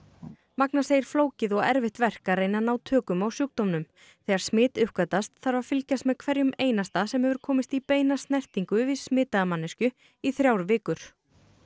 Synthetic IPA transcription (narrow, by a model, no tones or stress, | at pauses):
maknaseːjɪɾ̥floːwcɪðɔɣɛɾvɪht̪vɛr̥kaɾeːjnanaːwt̪ʰœːkʏmawsjʏk̚t̪owmnʏm | θɛːɣaɾ̥smɪːt̪ʏhkat̪ast̪θaɾvḁfɪlcast̪mɛðkʰvɛɾjʏmeːjnast̪asɛmhɛvʏɾ̥kʰɔːmɪst̪ipeːjnast̪nɛr̥t̪iŋkʏvɪðsmɪːt̪aðamanːɪscʏ | iθɾjawɾvɪːkʏɾ̥